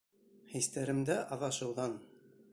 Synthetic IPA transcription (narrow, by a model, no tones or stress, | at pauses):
hist̪æɾɘ̆md̪æʔɑðɑʃɤ̆wðɑn